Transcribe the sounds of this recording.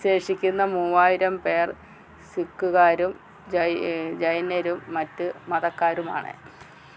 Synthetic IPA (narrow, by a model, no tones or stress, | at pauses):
ɕe̞ːʂikʲːunːɐmuːʋaːjiɾɐmpe̞ːr | sikːuɣaːɾum | d͡ʑɐjd͡ʑɐjɐneɾumːɐtːɨmɐðɐkːaːɾuma̰ːɳɨ̰